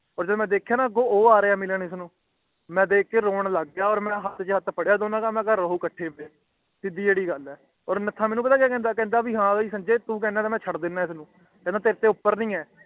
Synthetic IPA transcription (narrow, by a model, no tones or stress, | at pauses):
ɔːɾd͡ʒəd̪mɛ̃ːd̪eːkʰjaːnaːɡoːoːaːɾeaːmɪlənɪsnũː | mɛ̃ːd̪eːkːeːɾoːɳləɡɪjaːɔːɾmɛ̃ːɦət̪t͡ʃɦət̪pʰəɽjaːd̪oːnãːkaːmɛ̃ːkaəɦuːkəʈʰːeːbeː | t̪ɪd̪iːd͡ʒeːɽiːɡəlɛː | ɔːɾnət̪ʰãːmɛːnũːpət̪aːkaːkɛ̃ːnd̪aːkɛ̃ːnd̪aːbiːɦãːiːsənd͡ʒeːt̪ũːk̬ɛ̃ːnãːt̪aːmɛ̃ːt͡ʃʰəɽd̪ɪnːãːɪsnũː | kɛ̃ːd̪aːt̪eːɾt̪eːʊpːəɾnĩːɛː